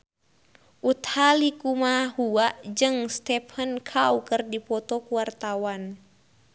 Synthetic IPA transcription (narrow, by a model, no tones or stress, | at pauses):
ʔut̪halikumahuaʔd͡ʒɨŋst̪ɛpʰənkʰaukərdipɔt̪ɔkuwart̪awan